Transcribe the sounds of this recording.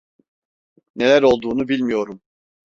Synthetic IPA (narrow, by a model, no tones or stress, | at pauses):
ne̞lʲæɾo̞lˠd̪uːnubilʲmijo̞ɾum